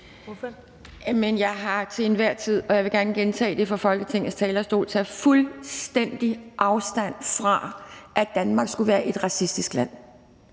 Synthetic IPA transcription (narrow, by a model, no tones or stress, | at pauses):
menjɑ̈ɪɦɑ̈t͡sʰe̝enʋæɐ̰t͡sʰið̞̰ˠɒ̽jɑɪʋe̝ɡ̥æɐnəɡ̥ent͡sʰɛ̰ːd̥e̝fɒ̽fɒ̽lɡ̥ət͡sʰe̝ŋ̰n̩st͡sʰɛːlɐsd̥o̝̰ːlt͡sʰæfulsd̥en̰d̥iʔɑ̈ʊsd̥æn̰fʁɑ̈ʔæ̥ænmɑ̈ɡ̥sɡ̥uʋæːɐʔe̝d̥ʁɑ̈sisd̥isɡ̥læn̰